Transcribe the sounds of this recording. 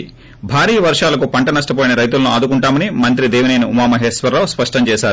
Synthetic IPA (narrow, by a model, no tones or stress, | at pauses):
bʱaːɾiːjɐʋɐɾʂaːlɐkupɐɳʈɐnɐsʈɐp̬oːjinɐɾɐjt̪̬ulɐnuaːd̪ukuɳʈaːmɐnimɐnt̪ɾid̪ɛːʋɐnejnuumaːmɐɦɛːsʋɐɾaːwspɐʂʈɐmt͡ʃɛːʃaːɾu